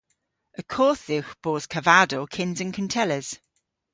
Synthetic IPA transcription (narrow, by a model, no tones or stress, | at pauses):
ʔəkʰɔˑθɪxb̥ɔːz̥kʰəvadokʰɪ̃nzə̃nkʰə̃ntʰɛləz̥